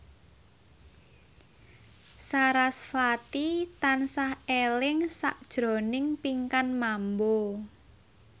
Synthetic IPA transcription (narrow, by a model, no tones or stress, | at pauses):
saɾasfat̪it̪ansahelɪŋsa̰ʔd̥ʒ̥ɾo̤nɪŋpiŋkanmambo